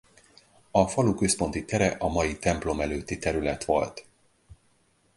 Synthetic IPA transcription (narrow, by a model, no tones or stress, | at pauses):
ɒfɒlukøspo̞nt̪it̪ɛɾɛʔɒmɒjit̪ɛmplo̞mɛløːt̪ːit̪ɛɾylɛt̪ʋo̞̰lt̪